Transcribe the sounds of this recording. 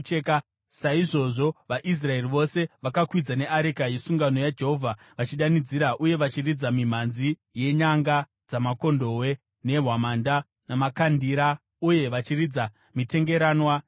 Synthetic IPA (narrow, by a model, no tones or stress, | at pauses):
eka | saiʐo̞ʐo̞ʋaʔis̬rae̞riʋo̞se̞ʋakakwid͡zane̞ʔaɾikajesuŋɡano̞jad͡ʒeɦo̞vʱa | ʋat͡ʃiɗanid͡ziɾaʔuje̞ʋat͡ʃirid͡zamim̤anzije̞ɲaŋɡa | d͡zamako̞ndo̞we̞ | ne̞ɦwamanda | namakandiɾa | uje̞ʋat͡ʃirid͡za | mite̞ŋɡe̞ɾaːnwa